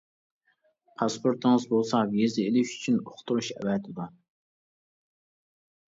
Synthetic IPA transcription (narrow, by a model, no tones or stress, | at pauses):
pʰɑspʰoɾt̪ʰɨŋɨzbolˠsɑvjezɪelɪʃy̥t͡ʃʰynoχt̪uɾuʃɛ̰vɛt̪ʰɪd̪u